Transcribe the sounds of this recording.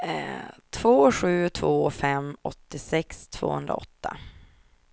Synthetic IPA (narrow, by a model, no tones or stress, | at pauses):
ɛt̪ʰv̥oːɧʉ̟ːt̪ʰvoːfɛmːɔt̪ːɪsɛkst̪ʰv̥o̰ːhɵ̰nd̪ɾa̰ɔ̰t̪ːa